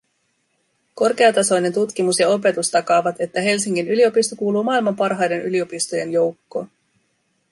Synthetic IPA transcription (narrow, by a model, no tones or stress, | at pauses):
ko̞rk̟e̞ɑt̪ɑso̞jne̞nt̪ut̪kimusjɑo̞p̬e̞t̪ust̪ɑkɑːʋɑt̪e̞t̪ːæɦe̞lsiŋkinylio̞pist̪okuːluːmɑːilmɑmpɑrɦɑjde̞nylio̞pist̪oje̞njo̞wkːo̞̰ː